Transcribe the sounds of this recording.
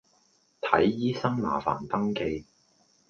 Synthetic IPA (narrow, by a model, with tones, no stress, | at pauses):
t̪ʰɐ˨˥jːiː˥sɐ˥ŋna̰ː˨˩fa̰ː˨˩nt̪ɐ˥ŋke˧j